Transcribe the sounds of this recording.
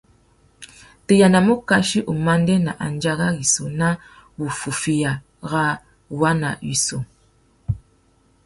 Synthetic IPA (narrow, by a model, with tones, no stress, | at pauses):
te˨ja˨na˨mu˦ka˦ʃi˦ʔu˨ma˦n˦dɛ˦na˨ʔa˨n˦d͡ʒa˦ɣa˦ɣi˨so˨na˦wu˨fu˨fi˦ja˨ | ɣa˦ | wa˦na̰˨wi˨so˨